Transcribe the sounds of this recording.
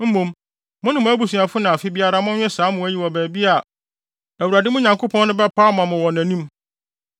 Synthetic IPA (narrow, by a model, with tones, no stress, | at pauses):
m̩˦mõ˨m | mʊ̃˦nɪ̃˨mʊ̃˦æ˦bu˨sũ˨a˨fʊ˦nã˨a˨fɪ˦bi˦a˦ɾa˦mʊ̃˦ɲᶣɛ˦saː˨˦mʊ̃˨æ˦ji˦wɔ˨bæː˨bi˦a˨ | æ˨wu˨ɾæ˨dɪ˦mʊ̃˦ɲã˨ŋkʰo˦pʰɔ̃˦n˦nʊ̃˦bɛ˦pʰaː˦mã˨mʊ̃˨wɔ˨næ̃˨nĩ˦m